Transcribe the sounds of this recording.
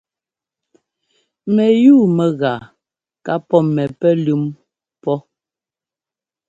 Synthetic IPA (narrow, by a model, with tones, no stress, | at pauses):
mɛ˨juː˦˨mɛ˨ɣa˨ | ka˦pɔ˦mɛ˨pɛ˦lʉ˦m | pɔ˦